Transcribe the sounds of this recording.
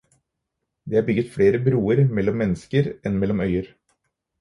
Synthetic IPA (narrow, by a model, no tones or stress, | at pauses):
d̪eːhɑːɾbʏɡət̪fɽeːɾəbɾuːəɾmɛlːɔmːɛnːəskəɾɛnmɛlːɔmœʏəɾ